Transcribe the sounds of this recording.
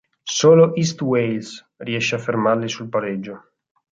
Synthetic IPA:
soːloʔist̪wejls | riɛʃːeafːermarlisulpaɾed͡ʒːo

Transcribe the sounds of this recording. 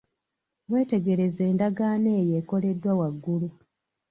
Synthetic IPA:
βwe̞ːte̞ɡe̞ɾe̞ze̞ːndaɡaːne̞ːje̞ːko̞le̞dːwawaɡːulu

